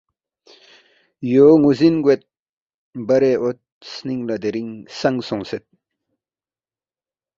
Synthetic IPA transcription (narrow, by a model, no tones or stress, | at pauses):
joŋuzinɡwet̪̚ | bɐɾeʔot̪̚sniŋlad̪eɾiŋsaŋsɔŋset̪̚